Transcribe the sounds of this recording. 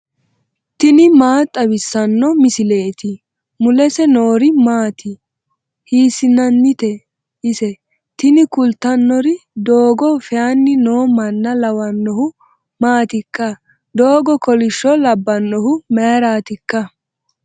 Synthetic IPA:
t̪ɪnɪmaːt̪ʼːɐbɪsːɐnːɔmɪsɪle̞ːt̪ɪ | mʊlɛsɛno̞ːɾɪmaːt̪ɪ | hiːsɪnɐnːɪt̪ɛ | ʔɪsɛ | t̪ɪnɪkʊlt̪ːɐnːɔɾɪd̪oːɡɔfɛanːɪnoːmɐnːɐlɐwɐnːɔhʊ | maːt̪ɪkːɐ | d̪oːɡɔkɔlɪʃːɔlɐbːɐnːɔhʊmɛɾaːt̪ɪkːɐ

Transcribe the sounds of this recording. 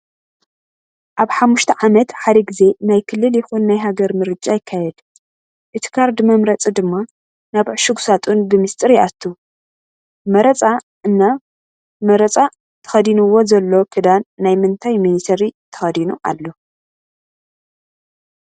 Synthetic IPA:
ʔaβħamːuʃt̪ʰɐʕamɐt̪ħad̪ɐɡɨze̞najkʰɨlːɨljɪxunːajɦaɡɐɾmɨɾɨt͡ʃʼajɪkʰːajɛd̪ | ʔɨt̪ʰi̥kʰaɾd̪mɐmɾɐt͡sʼid̪ɨmːa | naβʕʃɨɡusat̪ʼunbɨmɨst̪ʼɨɾijat̪ʰːu | mɐɾɐt͡sʼa | ʔɨnːa | mɐɾɐt͡sʼa | t̪ʰɐ̥xɐd̪inɨwo̞zɐlːo̞kʰɨd̪anːajmɨnt̪ʰajminisɐɾit̪ʰɐ̥xɐd̪inuʔa̰lːo̞

